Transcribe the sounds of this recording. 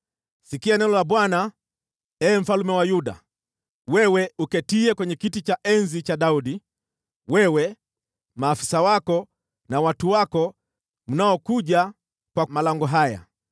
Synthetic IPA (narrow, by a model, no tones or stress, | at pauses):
sikianɛlɔlaɓwana | ɛːm̩falumɛwajuɗa̰ | wɛwɛukɛtiɛkwɛɲɛkitit͡ʃaʔɛnzit͡ʃaɗaudi | wɛwɛ | maːfi̥sawakɔ | nawatuwakɔ | m̩naɔkuʄa | kwamalaŋɡɔɦaja̰